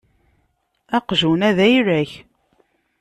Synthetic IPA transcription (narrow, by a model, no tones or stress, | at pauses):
æqʒunæðæjɾæç